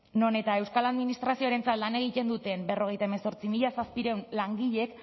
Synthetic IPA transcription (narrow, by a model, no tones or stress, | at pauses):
no̞ne̞t̪ae̞wskalaðminist̪ɾasio̞aɾe̞nt͡sat̪lane̞ɣit̪e̞nd̪ut̪e̞mbe̞ro̞ɣ̞e̞jt̪aeme̞so̞ɾt͡simiʎasaspiɾe̞wnlaŋɡiʎe̞k